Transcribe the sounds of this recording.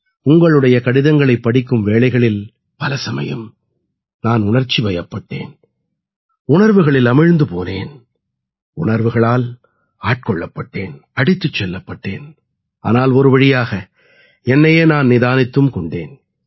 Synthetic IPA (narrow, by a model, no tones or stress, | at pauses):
ʊŋɡɐɭɯɽɐjɐkɐɽɪðɐŋɡɐɭɐɪpːɐɽɪkːɯmʋeːɭɐɪɣɐɭɪl | pɐlɐsɐmɐ̰jɯ̰m | naːnʊɳɐɾt͡ʃːiʋɐjɐpːɐʈːḛːn | ʊɳɐɾʋɯɣɐɭɪlɐmɪɻnd̪ɯpo̰ːneːn | ʊɳɐɾʋɯɣɐɭaːl | aːʈ̚kɔɭːɐpːɐʈːeːnɐɽɪt̪ːɯt͡ʃːɛlːɐpːɐʈːḛːn | ʔa̰ːnaːlɔɾɯpɐɽɪjaːɣɐ | ɛnːɐjeːnaːnnɪðaːnɪt̪ːɯmkɔɳɖeːn